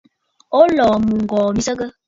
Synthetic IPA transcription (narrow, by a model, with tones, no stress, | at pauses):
o˦lɔː˨mu˨ŋ̩˨ɡɔː˨mi˦sə˦ɡə˦